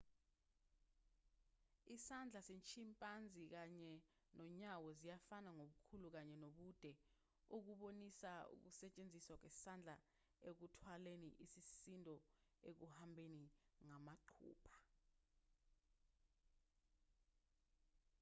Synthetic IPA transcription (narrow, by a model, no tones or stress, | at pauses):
isand͡ɮʱasent͡ʃʰimpʼand͡zʱik̬aɲɛ | nɔɲawɔzijafanaŋoɓukʰuluk̬aɲɛnoɓud̥ʱɛ | uk̬uɓonisaṵk̬usɛt͡ʃʼend͡zʱiswak̬wɛsand͡ɮʱa | ek̬utʰwaleniʔisisindʱɔek̬uhambʱeniŋamaǃʰṵːpʰḁ